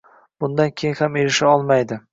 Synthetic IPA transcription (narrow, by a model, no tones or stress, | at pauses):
b̥ʊnd̪ankʲʰejɪnhame̞ɾɪʃaɒlˠmajd̪ɪ